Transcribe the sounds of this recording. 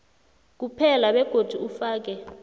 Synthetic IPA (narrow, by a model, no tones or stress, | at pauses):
k̬upʰɛlaɓɛɡ̥ʱod̥ʱuufaːk̬ɛ